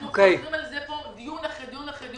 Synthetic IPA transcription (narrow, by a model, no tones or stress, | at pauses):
okejimalzepod̪ijunaχed̪ijunaχed̪